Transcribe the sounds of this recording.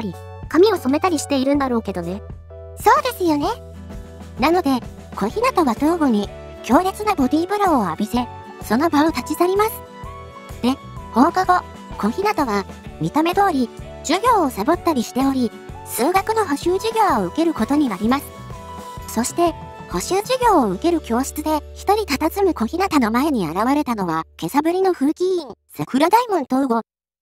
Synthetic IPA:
ɾʲi | kamʲio̞so̞me̞t̪aɾʲiɕi̥t̪e̞iɾɯ̟̃nd̪aɾo̞ːke̞d̪o̞ne̞ | so̞ːd̪e̞sɨjo̞ne̞ | nano̞d̪e̞ | kõ̞çinat̪o̞βat̪o̞ːɡoɲ̟i | kʲo̞ːɾʲet͡sɨnabo̞d̪ʲiːbɯ̟ɾoːoabʲise̞ | so̞no̞baot̪at͡ɕisaɾʲimasɨ̥ | d̪̥e̞ | ho̞ːkaɡo̞ | kõ̞çinat̪o̞βamʲit̪ame̞d̪o̞ːɾʲi | d͡ʑɨɡʲo̞ːsabo̞t̪ːaɾʲiɕi̥t̪e̞o̞ɾʲi | sɨːɡakɯ̟no̞ɦo̞ɕɨːʑɨɡʲo̞ːoɯ̟ke̞ɾɯ̟ko̞t̪o̞ɲ̟inaɾʲimasɨ̥ | so̞ɕi̥t̪e̞ | ho̞ɕɨːʑɨɡʲo̞ːoɯ̟ke̞ɾɯ̟kʲo̞ːɕi̥t͡sɨd̪e̞çi̥t̪o̞ɾʲit̪at̪at͡sɨmɯ̟ko̞çʲinat̪ano̞mae̞ɲ̟ia̰ɾaβaɾe̞t̪ano̞β̞ake̞sabɯ̟ɾʲino̞ɸɯ̟ːkʲiĩŋsakɯ̟ɾad̪aimɯ̟̃nt̪oɯ̟ɡo̞

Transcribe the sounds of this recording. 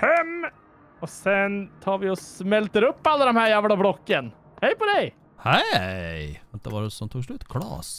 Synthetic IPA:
hɛm | ɔsɛnt̪ʰɑːɾʋɪɔsmɛlt̪əɾɵpːalːad̪ɔmhæːjæːvlablɔkːən | hɛjpɔd̪ɛj | hɛjʋɛnt̪d̪əʋɑɾɛsɔmt̪ʰuːɡʂɭʉːt̪kʰlɑ̰ːs

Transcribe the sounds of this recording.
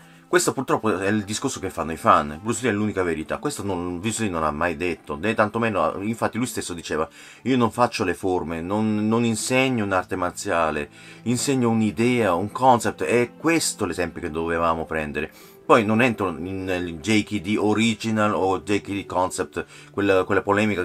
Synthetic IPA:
kwest̪opurt̪ɾɔpːoɛild̪iskorsokefːanːoifanːbɾuseliɛlːuːnikaveɾit̪a̰kwest̪anonvislinona̰mːajd̪et̪ːonɛt̪ːant̪omɛːnoa̰iɱfat̪ːilujst̪esːod̪it͡ʃɛːva | iːonoɱfat͡ʃːoleformenonːoninseɲːounart̪emart̪sjaːle | inseɲːounid̪ɛːauŋkɔnsɛp̚t̪eɛkːwest̪olezɛmpjoked̪ovevaːmopɾɛnd̪eɾe | pɔjnonɛnt̪ɾoind͡ʒɛjkid̪ioɾid͡ʒinalod͡ʒɛjkid̪ikɔnsɛp̚t̪ | kwelːakwelːapolɛːmika

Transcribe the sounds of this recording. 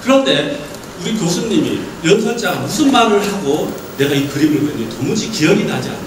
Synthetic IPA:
kɯɾʌnde̞ | uɾikosʰɯnɲimḭjʌnsʰʌnt͡ɕ͈aɡamusʰɯnmaɾɯɭhaɡo | ne̞ɡaikɯɾimɯɭbweɲʌntomud͡ʑikijʌɡinad͡ʑia̰n

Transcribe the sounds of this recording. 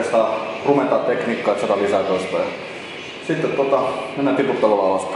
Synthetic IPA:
st̪ɑˑrument̪ɑːt̪t̪ekniːkːɑːˑet̪sɑt̪ɑlisæˑt̪ost̪ɑjɑ | sit̪ːet̪ːuot̪ɑmenːæt̪iput̪ːɑlolɑɑlɑs

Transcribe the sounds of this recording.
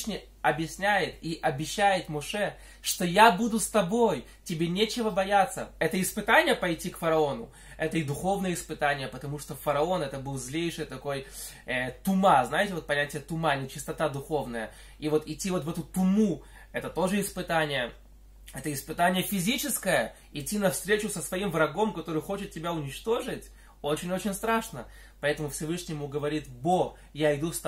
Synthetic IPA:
nʲɪ | ɐbjɪsʲnʲæjɪt̪iʔɐbʲɪɕːæjɪt̪mɔʂɛ | ʂt̪o̞jabud̪ʊst̪ɐbo̞j | tʲɪbʲenʲet͡ɕɪvəbɐjat̪sːəɛt̪əɪspɨt̪anʲɪjəpɐjtʲːikfəɾɐo̞nʊ | ɛt̪əid̪ʊxo̞vnəjəɪspɨt̪anʲɪjəpət̪ɐmuʂt̪ofəɾɐo̞nɛt̪əbɨlˠzʲlʲejʂɨjt̪ɐko̞j | ɛt̪ʊmaznajɪtʲɪvot̪pɐnʲætʲɪjət̪ʊmanʲɪt͡ɕɪ̥st̪ɐt̪ad̪ʊxo̞vnəjə | ivo̞t̪ɪtʲːivo̞t̪vɛt̪ʊt̪ʊmu | ɛt̪ət̪o̞ʐɨɪspɨt̪anʲɪjə | ɛt̪əɪspɨt̪anʲɪjəfʲɪzʲit͡ɕɪskəjə | ɪtʲːinɐfst̪ɾʲet͡ɕʊsəsvɐimvɾɐɡo̞mkɐt̪o̞ɾɨjxo̞t͡ɕɪt̪̚tʲːɪbʲaʊnʲɪt͡ɕt̪o̞ʐɨtʲ | o̞t͡ɕɪnʲo̞t͡ɕɪnʲst̪ɾaʂnə | pɐɛt̪əmʊfsʲɪvɨʂnʲɪjɪmuɡəvɐɾʲit̪bo | jaɪd̪ust̪

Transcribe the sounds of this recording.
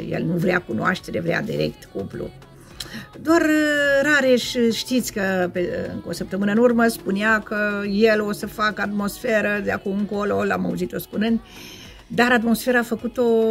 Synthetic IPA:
jḛlnuvɾeakunoa̰ʃt̪e̞ɾe̞vɾea̰d̪ḭɾḛk̚t̪kuplṵ | d̪oarɾaɾeʃʲʃt̪it̪sʲkəpeɨ̰ŋkosəpt̪əmɨnəɨnurməspuneakəje̞lo̞səfakəat̪mo̞sfeɾəd̪eakumɨŋko̞lo̞la̰mauzit̪o̞spunɨnd̪ | d̪aɾat̪mo̞sfe̞ɾaːfəkut̪o̞

